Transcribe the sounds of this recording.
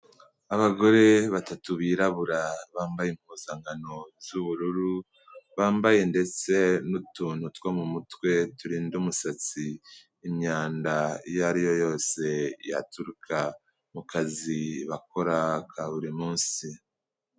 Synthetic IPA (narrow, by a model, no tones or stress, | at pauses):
aβaɡo̞ɾe̞βatatuβiːɾaβuɾaβaːmbajemhuːzaŋɡano̞zuβuɾuɾu | βaːmbaje̞nde̞t͡se̞nutuːnhutwomumutwe̞tuɾiːndumusat͡siː | mɲaːndajaɾijo̞jo̞ːse̞ja̰tuɾukʰa | mukaziβako̞ɾakʰaβuɾimuːnsi